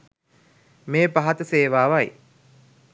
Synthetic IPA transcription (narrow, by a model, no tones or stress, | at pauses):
meːpaɦɐt̪əseːʋaːʋɐj